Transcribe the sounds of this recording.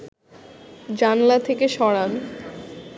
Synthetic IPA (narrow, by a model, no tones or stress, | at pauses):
d͡ʑanlat̪ʰekeʃɔɽan